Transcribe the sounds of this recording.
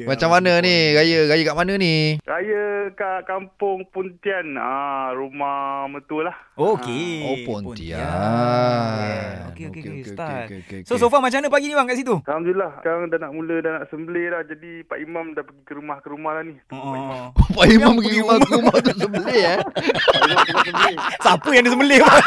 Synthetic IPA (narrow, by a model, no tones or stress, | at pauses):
mat͡ʃamːanə̃niɾajəɾajəkaʔmanəniɾajəkaʔkampʊŋpunt̪ianəɾumahmət̪ulahokeopɔnt̪ḭa̰ | okeokest̪at̚sosofamat͡ʃamanə̃paɡinibaŋkaʔsit̪ukamd͡ʒulahkaɾaŋdanaʔmulədanaʔsəmbəlehlahd͡ʒadipaʔimamdapəɡikəɾumahkəɾumahlanioʔaopaimãmkəumakumaht̪usəmbəle | imsmasəməlesapəjaŋdis̬əmbəlehba